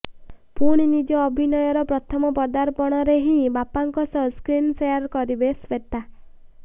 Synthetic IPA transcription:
puɽ̃inid͡ʒɔːbʱinɔjɔɾɔpɾɔt̪ʰɔmɔpɔd̪aɾpɔɽ̃ɔɾeɦĩbapaŋkɔsɔskɾinsejaɾkɔɾibeswet̪a

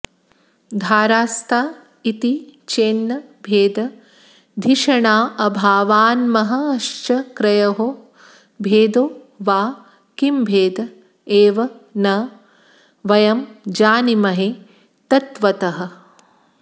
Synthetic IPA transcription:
d̪ʱaːɾaːst̪ʰaː | it̪it͡ʃeːnːɐbʱeːd̪ɐ | d̪ʱiʂɐɳaːʔɐbʱaːʋaːnmɐɦɐ̆ɐʃt͡ʃɐkɾɐjɐɦo | bʱeːd̪oː | ʋaː | kimbʱeːd̪ɐ | eːʋɐnɐ | ʋɐjɐmd͡ʒaːnimɐɦe | t̪ɐt̪ʋɐt̪ɐɦɐ̆

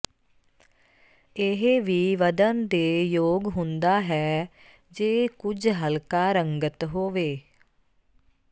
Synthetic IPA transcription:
ɪɦeʋiːʋəd̪ənd̪eːjoːɡɦʊ̃nd̪aːɦɛː | d͡ʒeːkʊd͡ʒɦəlkaːɾəŋɡət̪ɦoːʋeː

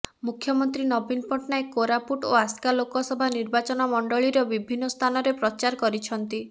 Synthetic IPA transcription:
mukʰjɔmɔnt̪ɾinɔbinpɔʈnaekoɾapuʈoaskalokɔsɔbʱaniɾbat͡ʃɔnɔmɔɳɖɔɭiɾɔbibʱinːɔst̪ʰanɔɾepɾɔt͡ʃaɾɔkɔɾit͡ʃʰɔnt̪i

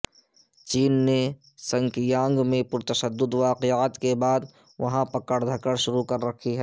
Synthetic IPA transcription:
t͡ʃiːnːe | sɐ̃ŋkjãːŋɡmẽpʊɾt̪ɐʃəd̪ːʊd̪ʋaːqeaːt̪kebaːd̪ | ʋɐɦãpɐkəɽd̪ʱɐkəɽʃʊɾukɐɾːɐkʰiɦɛ

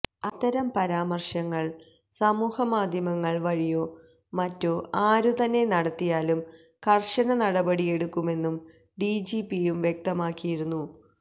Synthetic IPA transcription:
ɐt̪ːɐɾɐmpɐɾaːmɐrʂɐŋːɐɭ | sɐmuːhɐmaːd̪ʱjɐmɐŋːɐɭʋɐɻijo̞ː | mɐtːoːaːɾut̪ɐnːe̞nɐɽɐt̪ːijaːlum | kɐrʂɐnɐnɐɽɐbɐɽije̞ɽukːume̞nːum | ɖiːd͡ʑipijumʋjek̚t̪ɐmaːkːijiɾunːu

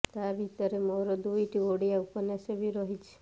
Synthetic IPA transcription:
t̪abʱit̪əɾemɔɾɔd̪ujʈiʋoɽijaupənaʃebʱiɾɔɦit͡ʃʰe̥

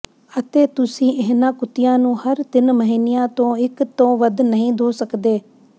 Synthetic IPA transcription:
ət̪eːt̪ʊsĩːʔɪɦnãːkʊt̪ɪjãːnũːhəɾt̪ɪnməɦiːnɪjãːt̪õːɪkt̪õːʋəd̪nəɦĩːd̪ʱoːsəkd̪eː

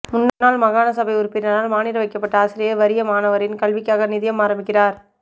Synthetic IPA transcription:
mʊnːɐnːaːlmɐɣaːnɐsɐbɐɪʊɾʊpːɪɾɐnaːlmaːnɪɾɐʋɐɪkːɐpːɐʈːɐaːsɪɾɪjɐʋɐɾɪjɐmaːnɐʋɐɾɪnkɐɭʋɪkːjaːɣɐnɪðɪjɐmaːɾɐmbɪkːɪraːɾ

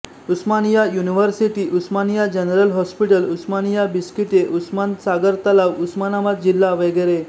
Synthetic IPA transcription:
usmanijajuniʋəɾsiʈiʔusmanijad͡ʑənɾəlɦɔspiʈəlusmanijabiskiʈeʔusmansaɡəɾt̪alaʋusmanamat̪̚d͡ʑilːaʋəɡəɾe

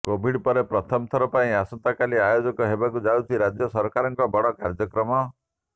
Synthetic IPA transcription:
kobʱiɽpɔɾepɾɔt̪ʰɔmt̪ʰɔɾɔpaĩasɔnt̪akaliajod͡ʒɔkɔɦebakud͡ʒawt̪ʰiɾad͡ʒjɔsɔɾkaɾɔŋkɔbɔɽɔkaɾd͡ʒɔkɾɔmɔ

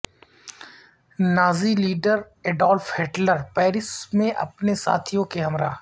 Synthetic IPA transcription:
naːziliːɖəɾ | eːɖɔːlfɦeːʈləɾpɛːɾɪsmẽʔɐ̰pnesa̰ːt̪ʰijõkeɦɐmɾaː

